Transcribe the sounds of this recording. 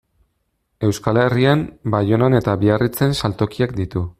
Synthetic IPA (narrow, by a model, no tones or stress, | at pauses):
e̞wskale̞riambajo̞nane̞t̪aβiarit͡se̞nsalt̪o̞kiak̚d̪it̪u